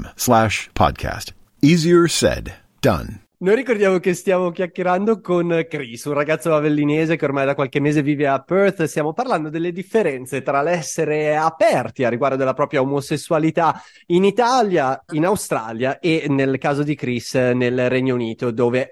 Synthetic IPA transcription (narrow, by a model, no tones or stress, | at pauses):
mslæʃpʰɑ̰d̚kʰæ̰st | iziə˞sɛ̰d | d̥ʌ̰̃n | noːjɾikord̪jaːmokest̪jaːmok̟jakːeɾand̪okonkɾisunraɡat̪sːoavelːineːzekeormajd̪akwalkemːeːzeviːveapørt̪st̪jaːmoparland̪od̪elːed̪ifːeɾɛnt̪set̪ɾalɛsːeɾeapɛrt̪iarːiɡward̪od̪elːapɾɔːpɾjaomosesːualit̪a | init̪aljainawst̪ɾaljaʔenelkaːzod̪ikɾisnelrɛɲːouniːt̪od̪oːve